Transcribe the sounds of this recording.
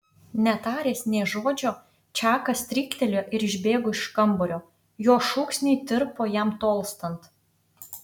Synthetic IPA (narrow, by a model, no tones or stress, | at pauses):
nʲɛt̪ɑːɾʲeːsnʲɛːʒoːd͡ʒʲoː | t͡ʃʲɑːkɐst̪ʲɾʲɪkt̪ʲɛlʲoʔɪɾɪʒʲbʲeːɡoːɪʃkɐmbɔɾʲoː | joːʃuːksʲnʲɛɪt̪ʲɪɾpoːjɛmt̪oːlˠst̪ɐnt̪